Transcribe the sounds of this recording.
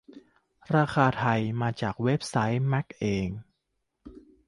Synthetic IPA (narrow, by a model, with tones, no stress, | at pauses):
ɾaː˧xʰaː˧t̪ʰa˧jmaː˧t͡ɕaː˨˩k̚we˦˥p̚sa˦˥jmɛ˦˥k̚ʔeː˧ŋ